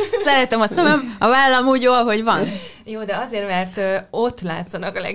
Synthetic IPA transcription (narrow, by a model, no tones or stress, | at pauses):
sɛɾɛt̪ɛmɒsɛmɛmɒvaːlːɒmuːɟjoːlɦo̞ɟvɒnjoːd̪ɛɒzeːrmɛrt̪øo̞t̪ːla̰ːt̪sɒnɒkɒlɛ̰